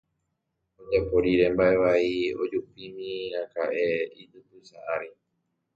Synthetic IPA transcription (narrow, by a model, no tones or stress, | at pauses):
od͡ʒapoɾiɾẽ̞mbae̞ʋaio̞̰d͡ʒupimĩakaʔeit̪ɨpɨsaʔaɾi